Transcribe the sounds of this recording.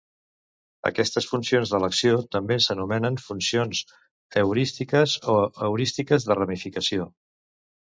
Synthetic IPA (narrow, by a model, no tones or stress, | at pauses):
ə̰kɛst̪əsfunsionzðələksiot̪əmbesənumɛnənfunsionz | əwɾist̪ikəzoəwɾist̪ikəzðərəmifikəsio